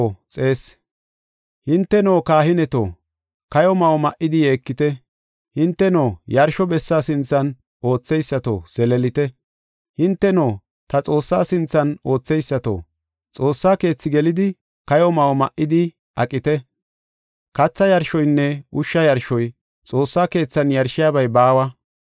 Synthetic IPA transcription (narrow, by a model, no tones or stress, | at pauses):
t͡sʼe̞ːs | hɪnt̪ːɛno̞ːkaːhɪnɛt̪o̰ː | kɐjɔmɐwɔmɐʔɪd̪ɪje̞ːkːɪt̪ɛ | hɪnt̪ːɛno̞ːjɐɾʃɔbɛsːaːsɪnt͡sːɐn | o̞ːt͡sːɛjsːɐt̪o̰ːsɛlɛlɪt̪ɛ | hɪnt̪ːɛnoː | t̪ɐt͡sʼo̞ːsːaːsɪnt͡sːɐno̞ːt͡sːɛjsːɐt̪o̰ː | t͡sʼo̞ːsːaːke̞ːt͡sːɪɡɛlɪd̪ɪ | kɐjɔmɐwɔmɐʔɪd̪ɪ | ʔɐkʼɪt̪ɛ | kɐt͡sːɐjɐɾʃɔjnːɛʊʃːɐjɐɾʃɔj | t͡sʼo̞ːsːaːke̞ːt͡sːɐnjɐɾʃɪjaːbɐjbaːwɐ